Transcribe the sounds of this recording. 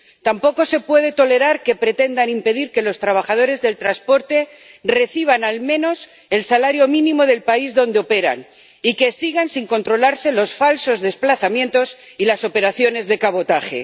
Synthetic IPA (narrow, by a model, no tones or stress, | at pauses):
t̪ampo̞ko̞se̞pwe̞ð̞e̞t̪o̞le̞ɾaɾke̞pɾe̞t̪e̞nd̪animpe̞ðiɾke̞lo̞st̪ɾaβ̞aχað̞o̞ɾe̞zðe̞lt̪ɾaspo̞ɾt̪e̞ | re̞θiβ̞analmẽ̞no̞s | e̞lsalaɾjo̞mĩnĩmo̞ðe̞lpaizðo̞nd̪eo̞pe̞ɾa̰n | ike̞siɣansiŋko̞nt̪ɾo̞laɾse̞lo̞sfalso̞zðe̞splaθamjẽ̞nt̪o̞s | ilaso̞pe̞ɾaθjo̞ne̞zðe̞kaβo̞t̪aχe̞̰